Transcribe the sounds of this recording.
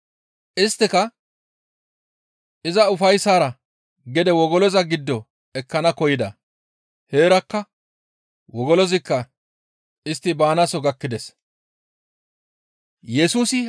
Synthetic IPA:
ʔɪst̪ːɪkɐ | ʔɪzɐʊfɐjsaːɾɐ | ɡɛd̪ɛwɔɡɔlɔzɐɡɪd̪ːɔ | ɛkːɐnɐkɔjɪd̪ɐ | he̞ːɾɐkːɐ | wɔɡɔlɔzɪkːɐ | ɪst̪ːɪbaːnɐsɔɡɐkːɪd̪ɛs | jɛsuːsɪ

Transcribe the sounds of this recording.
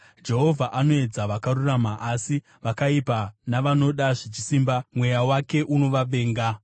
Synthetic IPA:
d͡ʒe̞ɦo̞vʱaʔano̞e̞d͡zaʋakaruramaʔasi | ʋakaipanaʋano̞ɗaʐit͡ʃisimbamwe̞jawake̞ʔuno̞ʋaɓe̞ːŋɡa

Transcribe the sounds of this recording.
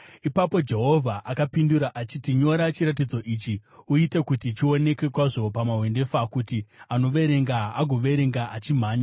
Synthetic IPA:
ipapo̞d͡ʒe̞ɦo̞vʱaʔakapinduɾaʔat͡ʃitiɲo̞ɾat͡ʃiɾat̬id͡zo̞ʔiːt͡ʃiuite̞kutit͡ʃio̞ne̞ke̞kwaʐo̞pamaɦwe̞nde̞fakutiano̞ʋe̞ɾe̞ŋɡaaɡʱo̞ʋe̞ɾe̞ŋɡaʔat͡ʃim̤aːɲa

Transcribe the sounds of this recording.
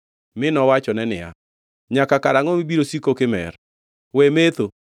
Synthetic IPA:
mɪnɔwat͡ʃɔnɛnɪ̰a̰ | ɲakakaɾaŋɔmibiɾosikokɪmɛ̰ɾ | wemet̪o

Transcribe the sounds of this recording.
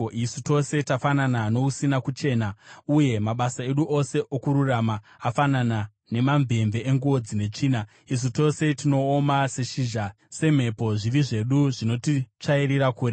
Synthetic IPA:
isu̥to̞se̞tafananano̞usinakut͡ʃe̞ːnauje̞maɓasae̞ɗuʔo̞se̞ʔokuɾuramaː | fanana | ne̞mamve̞mve̞eŋɡuo̞d͡zine̞t͡ʂiːna | is̬uto̞se̞tino̞ːmase̞ʃiʒa | se̞m̤e̞po̞ʐiriʐe̞ɗuʐino̞tit͡ʂaiɾiɾakuːre

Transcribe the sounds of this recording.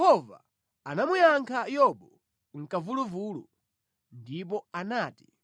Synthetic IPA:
hɔva̰ | anamujaŋkʰajɔɓɔ | ŋ̩kavuluvuːlṵ | ndip̬ɔanaːti̥

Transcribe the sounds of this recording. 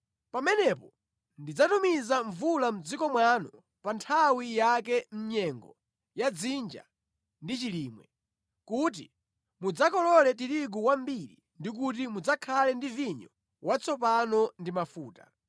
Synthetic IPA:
pamɛnɛpɔ | ndid͡zatumizaɱvulam̩d͡zikɔmwanɔ | pantʰawijakɛm̩ɲɛŋɡɔ | jad͡zind͡ʒa̰ | ndit͡ʃiliːmwɛ | kut̬i | mud͡zakɔlɔlɛt̬iɾiɡuwambiɾi | ndik̬ut̬imud͡zakʰalɛndiviɲɔ | wat͡sʰɔp̬anɔndimafuːta̰

